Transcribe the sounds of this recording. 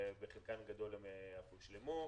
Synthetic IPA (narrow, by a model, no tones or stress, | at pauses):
beχilkanɡad̪o̞lemafuʃlemu